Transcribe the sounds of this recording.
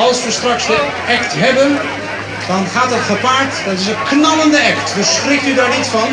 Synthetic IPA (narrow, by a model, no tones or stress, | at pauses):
ɑlˠsʋəstrɑksdə | ɛktɦɛbən | d̥ɑnχaːtətχəpaːɹtd̥ɑtɪs̬əknɑləndəɛktdəsχrɪk̚tydaːɹnitfɑn